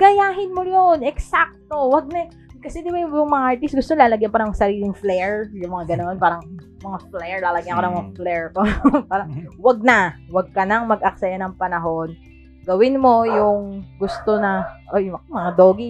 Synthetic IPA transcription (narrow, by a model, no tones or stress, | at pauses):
ɡ̥ɐjaːɦɪnmojonɛksak̚t̪o̞wɐɡ̚nɐ | kɐsɛd̪ɪbajjʊŋmɐŋaʔaɹt̪ist̪̚ɡʊst̪onɐlaːlɐɡjɐnpanɐŋsɐɾiːlɪŋflɛɹjʊŋmɐŋaɡɐno̞npaːɾɐŋ | mɐŋaflɛɹlaːlɐɡjɐnkoɐŋmɐŋaflɛɹt̪opaːɾɐŋwɐɡ̚nɐwɐɡ̚kɐnɐŋmɐɡʔɐk̚sɐjɐnɐŋpɐnɐɦo̞n | ɡɐwɪnmo̞jʊŋɡʊst̪o̞nɐʔojʊmɐŋad̪oːɡi